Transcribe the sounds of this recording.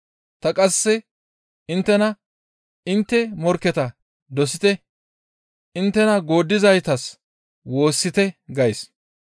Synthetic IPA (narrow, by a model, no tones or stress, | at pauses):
t̪ɐkʼɐsːɛ | ɪnt̪ːɛnɐ | ɪnt̪ːɛmɔɾkːɛt̪ɐ | d̪ɔsɪt̪ɛ | ʔɪnt̪ːɛnɐɡo̞ːd̪ːɪzɐjt̪ɐs | wo̞ːsːɪt̪ɛɡɐjs